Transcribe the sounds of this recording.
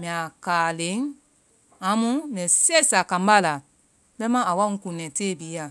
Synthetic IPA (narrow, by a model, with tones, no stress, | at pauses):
mĩ˨a˨kaː˨le˨˦ŋ | a˨˦mũ˦mɛ̃˨sɛ˦˨sa˨kã˨mba˦˨la˨ | bɛ˦mã˦a˨wa˦ũ˦kũ˨nɛ̃˨teː˦˨biː˨˦ja˨